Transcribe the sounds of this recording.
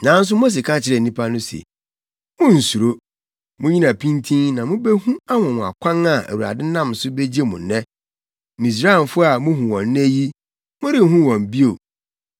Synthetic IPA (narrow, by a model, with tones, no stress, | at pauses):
nã˨˦n̩˦s̬ʊ˦mo˦s̬e˨kʰa˦t͡ɕʰɪ˨ɾɛ˨nĩ˦pʰa˦nʊ̃˦sḛ˨ | mʊ̃˦n̩˨su˨ɾo˦ | mʊ̃˦ɲĩ˦nã˨pʰĩ˦ntʰĩ˦nnã˨mʊ̃˦be˦hũ˦a˦mɔ̃˨mʊ̃˨a̰˨kʷʰã˦na˨ʔæ̰˨wu˨ɾa̰˨dɪ̃˦nã˦msʊ˦be˦d͡ʑi˦e˦mũ˨nːɛ̃˦ | mĩ˨s̬ɾaː˦ɪ˨n˨fʊ˦a˨mʊ̃˦ɦũ˨wɔ̃˨nː˦ɛ˦ji˦ | mʊ̃˦ɾɪ˦˨ɦũ˦wɔ̃˨m˨bi˦o˨